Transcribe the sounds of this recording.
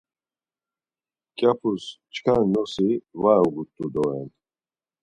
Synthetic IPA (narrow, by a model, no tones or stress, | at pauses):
kʼapʰust͡ʃʰkʰannɔsivaɔɡut̪ʼːud̪ɔɛn